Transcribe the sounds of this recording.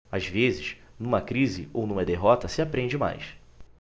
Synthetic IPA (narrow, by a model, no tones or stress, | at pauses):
azvezɪʃnũmɐkɾizɪownũmɐd̪eɦɔt̪ɐsɪapɾẽd͡ʒɪma̰js